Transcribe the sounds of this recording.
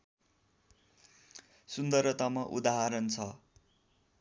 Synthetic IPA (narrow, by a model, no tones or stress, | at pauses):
sund̪ʌrʌt̪ʌmʌʔṵd̪aɦaɾʌnt͡sʰʌ